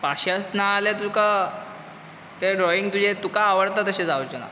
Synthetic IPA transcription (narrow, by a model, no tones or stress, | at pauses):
paɕasnaljat̪uka | t̪eɖɾɔiŋɡt̪ud͡ʑet̪ukaːʋəɽt̪at̪əɕed͡zaot͡ɕena̰